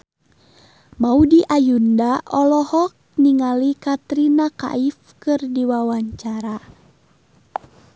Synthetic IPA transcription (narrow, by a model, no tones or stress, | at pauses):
maudiʔajundaʔɔlɔhɔk̚niŋalikat̪ɾinaka̰ifkɨrdiwawaɲt͡ʃaɾa